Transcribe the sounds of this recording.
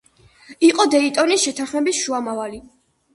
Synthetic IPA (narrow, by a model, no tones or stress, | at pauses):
iqʼɔd̪ɛit̪ʼɔnisʃɛt̪ʰanχmɛbisʃuamavali